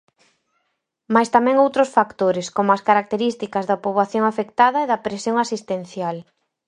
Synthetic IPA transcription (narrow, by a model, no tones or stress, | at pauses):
majst̪amɛ̃ŋowt̪ɾʊsfakt̪oɾɪskomʊɐskaɾak̚t̪eɾist̪ikɐzðɐpoβaθjoŋafekt̪aðɐeðɐpɾesjoŋasist̪en̟θjal